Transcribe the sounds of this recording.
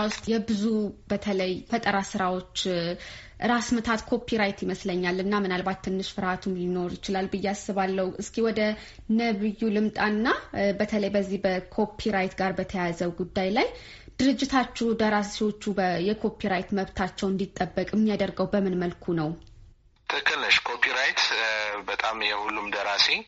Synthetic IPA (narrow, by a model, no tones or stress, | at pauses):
wʊst̪ʼjɛbɨzub̥ət̪ʰələjfət̪ʼəɾasɨɾawo̞t͡ʃː | ʔɨɾasmət̪ʰat̪kʰo̞pʰiɾajt̪jɪməsləɲːalɨnːamɨnalbat̪ːɨnːɨʃfɨɾhat̪ʰumjɪno̞ɾjɪt͡ʃɪlalbɨjːasɨβalːəhuʔɨskʰiwɔd̪ə | nəβɨjːulɨmt̪ʼanːabət̪ʰələjbəzːihbəkʰo̞pʰiɾajt̪ɡaɾbət̪ʰəjazəwɡud̪ːajlaj | d̪̥ɨɾɨd͡ʒːɪt̪ʰat͡ʃːud̪əɾasiwo̞t͡ʃːujɛkʰo̞pʰiɾajt̪məβt̪ʰat͡ʃːɛwɨnd̪it̪ʼːəbːəkʼɨmːijad̪əɾɡəwbəmɨnməlkʰunəw | t̪ʰɨkʰːɨlːəʃkʰopʰiɾajt̪bət̪ʼamjɛhulːumd̪əɾase